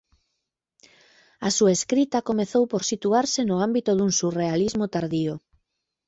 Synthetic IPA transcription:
asuaeskɾit̪ɐkomeθowpoɾsit̪uaɾsɪnʊambit̪ʊðuŋsurealizmot̪aɾðio

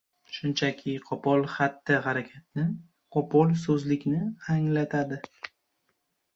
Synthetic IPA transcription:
ʃʊnt͡ʃʰakʲʰɪqʰɒpɒlˠχat̪ːɪɦaɾakʲʰat̪̚nɪ | qʰɒpʰɒlˠsɵzlɪkʲnɪaŋlat̪ʰad̪ɪ

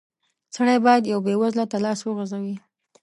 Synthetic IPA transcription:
saɽajbɑjad̪jawbewazlat̪alɑswəɣazawi

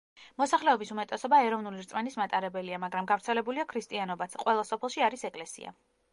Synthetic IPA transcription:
mɔsaχlɛɔbisumɛt̪ʼɛsɔbaɛɾɔvnuliɾt̪sʼmɛnismat̪ʼaɾɛbɛliamaɡɾamɡavɾt̪sʰɛlɛbuliakʰɾist̪ʼianɔbat̪sʰqʼwɛlˠasɔpʰɛlˠʃiaɾisɛkʼlɛsḭa̰

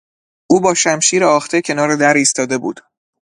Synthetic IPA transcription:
ʔuːbɒːʃæmʃiːɾeɒːxt̪ʰecʰe̞nɒːɾed̪æɾiːst̪ɒːd̪e̞bṵːd̪̥

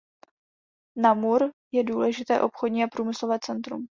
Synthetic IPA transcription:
namuɾjɛduːlɛʒɪt̪ɛ̰ːʔo̞pxodɲiːapɾuːmɪslovɛːt͡sɛnt̪ɾṵm

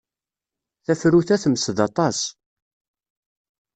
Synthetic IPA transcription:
θæfɾuθæθəmsəðɑt̪ˤɑs

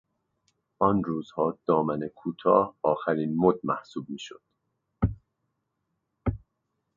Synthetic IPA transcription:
ʔɒnruːz̥hɒːd̪̥ɒːmænekʰuːt̪ʰɒːhɒːxæɾiːnmod̪̚mæhsuːb̚miːʃo̰d̪̥

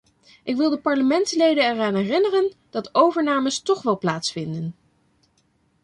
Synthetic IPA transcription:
ʔɪkʋɪlˠdəpɑɹləmɛntslejdənɛraːnɦɛrɪnərənd̥ɑtowvəɹnaːməstɔχʋɛlˠplaːtsfɪndən

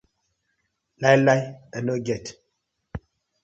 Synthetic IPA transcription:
lajlajanoɡɛt

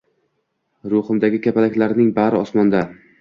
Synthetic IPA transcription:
ɾʊhɨmd̪aɡʲɪkʲʰapalakʲlaɾnɪŋbaɾɪɒsmɒnd̪a

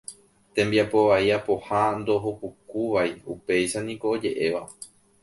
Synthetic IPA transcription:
t̪ẽmbiapo̞ʋaiapo̞hand̪o̞ɦokukuʋaiupe̞jʃanĩko̞ːd͡ʒe̞ʔe̞ʋa

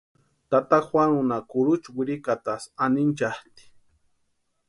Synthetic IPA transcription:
t̪at̪akwanʊnakʊɾʊt͡ʃwɪɾikat̪asanɪnt͡ʃaht̪i̥

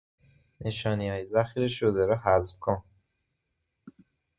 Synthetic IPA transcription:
neʃɒːniɒːjezæxiɾeʃod̪eɾɔhæzbkʰon

